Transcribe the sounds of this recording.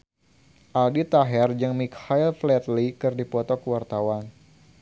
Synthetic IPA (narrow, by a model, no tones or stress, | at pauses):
ʔaldit̪aɦɛrd͡ʒɨŋmikhailflɛt̪likɨrdipɔt̪ɔkəwart̪awan